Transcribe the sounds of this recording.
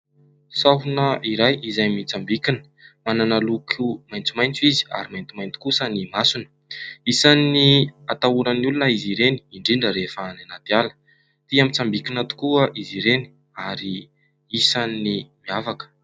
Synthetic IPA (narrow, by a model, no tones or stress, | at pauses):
saɦunəʔiɾajizajmit͡sambikinə̥ | mananalukʰumajnt͡sumajnt͡sizi̥a̰ɾimajnt̪umajnt̪i̥kusənimasunə̥ | isanːiat̪auɾənulunəiziɾeni̥ːɳɖ͡ʐiɳɖ͡ʐəɾefaːnanat̪ialə̥ | t̪iamit͡sambikinat̪u̥kuəʔiziɾeni̥ | aɾi | isanːimiavakə̥